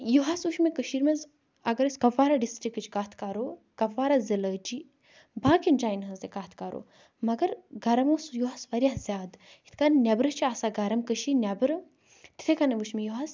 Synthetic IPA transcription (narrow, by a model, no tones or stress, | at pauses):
juɦasuʃmekəʃiːɾmez | ɐɡɐɾɐsʲkɐʋaːɾaɖisʈɾikːɨt͡ʃkaːt̪ʰkaːɾoː | kɐʋːaːɾaziləːd͡ʒi | bãːkinʲd͡ʒaːjnɦɐ̃zd̪ekaːt̪ʰkaːɾo̰ː | mɐɡɐɾɡɐɾɐmoːsjuɦaːsʋɐɾjaːzʲjaːd̪ | it̪ʰkannʲɐbɾɐt͡ʃʰiaːsaːɡɐɾɐmkəʃiːnʲɐbɾɨ | t̪i̥t̪ʰekanɐʋuʃmejuɦas